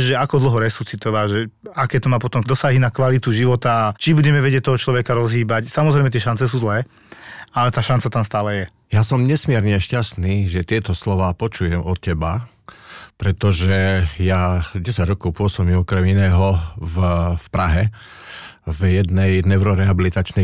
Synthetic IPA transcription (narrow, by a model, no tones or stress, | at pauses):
ʒɛakɔd̪l̩ˠɦɔɾɛsuːt͡sit̪ɔʋaʒɛakɛːt̪ɔmaːpɔt̪ɔmd̪ɔsaɦinakʋalit̪uʒiʋɔt̪at͡ʃibuɟɛmɛʋɛɟɛc̚t̪ɔɦɔt͡ʃlɔʋɛkaɾɔzɦiːbacsamɔzɾɛjmɛt̪̬jɛʃant͡sɛsuːzlɛː | alɛt̪aːʃant͡sat̪amst̪aːlɛjɛ | jasɔmɲɛsmɪɛɾɲɛʃcast̪niːʒɛt̪ɪɛt̪ɔslɔʋaːpɔt͡ʃujɛmɔt̪̚cɛba | pɾɛt̪ɔʒɛjaɟɛsaɟɾɔkɔʊpʊɔsɔmimɔkɾɛminɛːɦɔvfpɾaɦɛ | vjɛd̪nɛjnɛʊɾɔɾɛɦabilit̪at͡ʃnɛ